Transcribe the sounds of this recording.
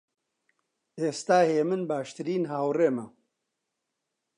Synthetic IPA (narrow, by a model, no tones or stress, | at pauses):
eːst̪aːheːmɨnbaːʃt̪ɨɾiːnɦaːwreːmɐ